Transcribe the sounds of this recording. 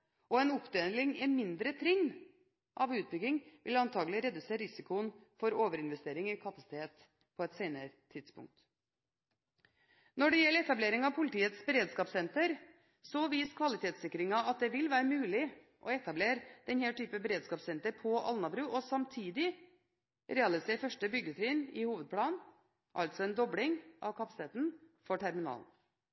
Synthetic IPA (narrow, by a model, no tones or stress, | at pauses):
ʔɔɛnʊpd̪eːnlɪŋɛmɪnd̪ɾət̪ʰɾɪŋː | ʔɑʋʉːt̪̚bʏɡɪŋʋʔɪ̰lɑnt̪ʰɑːɡlɪɾɛd̪ʉseːɾɪsɪkʊənfɔɾoːʋəɾɪnʋɛst̪eːɾɪŋɪkʰɑpɑsɪ̥t̪ʰeːt̪ | pʰɔɛt̪seːnəɾət̪ʰɪd̪spʊ̰ŋk̚t̪ | nɔɖɛjɛlːəɛt̪ɑbleːɾɪŋɑʋpʰʊlɪt̪ʰiːət̪sbəɾeːd̪skɑːpsɛnt̪əɾ | sɔʋiːskʰʋɑlɪt̪ʰeːt̪sɪkːɾɪŋɑɑt̪̚d̪ɛʋɪlʋæːɾəmʉːlɪ | ʔɔɛt̪ɑbleːɾd̪̥ɛnhɛːʈyːpəbəɾeːd̪skɑːpsɛnt̪əɾpʰɔʔɑ̰lnɑbɾʉːʔɔsɑmt̪ʰiːd̪ɪ | ɾɛːɑlɪseːfœʂʈəbʏɡət̪ʰɾiːnɪ̰huːʋəd̪̚pʰlɑːn | ʔɑ̰lt̪sɔɛnd̪ɔbɽɪŋʔɑ̰ʋkʰɑpɑsɪt̪ʰeːt̪n̩fɔʈʰæɾmɪnɑ̰ːln